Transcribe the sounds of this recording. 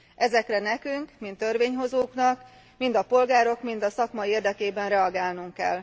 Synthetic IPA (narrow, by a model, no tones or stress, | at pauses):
ʔɛzɛkrɛnɛkyŋkmint̪ːørʋeːɲɦo̞zoːknɒk | mind̪ɒpo̞lɡaːɾo̞kmind̪ɒsɒkmɒeːrd̪ɛkeːbɛnrɛɒɡaːlnuŋkːɛ̰l